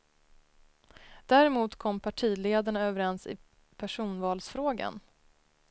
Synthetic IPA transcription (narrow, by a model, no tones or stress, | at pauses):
d̪̥æɾɛmuːt̪kʰɔmːpʰaʈʰiːleːd̪aɳaøːvəɾɛnsɪ̰ | pʰæʂuːnvɑːlsfɾoːɡa̰n